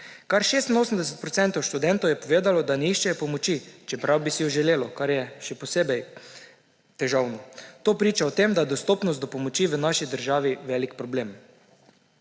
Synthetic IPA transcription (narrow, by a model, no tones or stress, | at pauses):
kaɾʃeːst̪inoːsəm̩d̪ɛsɛt̪̚pɾɔt̪sɛnt̪ɔwʃt̪ud̪ɛnt̪ɔwjɛpɔʋeːd̪alɔd̪anɛiʃt͡ʃɛjɔpɔmɔt͡ʃit͡ʃɛpɾawbisijɔʒɛleːlɔkaɾjɛʃɛpɔseːbɛj | t̪ɛʒawnɔt̪oːpɾiːt͡ʃaɔt̪eːmd̪ajɛd̪ɔst̪oːpnɔst̪d̪ɔpɔmɔt͡ʃiːʋənaʃid̪əɾʒaːʋiʋɛːlikpɾɔbleːm